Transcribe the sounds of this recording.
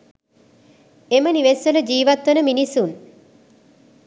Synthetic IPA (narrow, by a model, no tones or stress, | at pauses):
eməniʋesʋələd͡ʒiːʋat̪ʋənəminisun